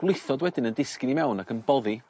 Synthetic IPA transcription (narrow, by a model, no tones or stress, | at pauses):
ɡ̥wlˠɪjθɔdwɛdɪnəndɪskɪnimɛwnaɡənbɔði